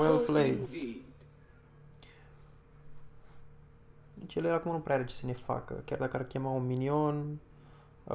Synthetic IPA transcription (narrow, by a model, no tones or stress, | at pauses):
elplej | t͡ʃeleɾakumnupɾeaɾet͡ʃe̥sənefa̰kə̰kʲard̪akarkʲamauminion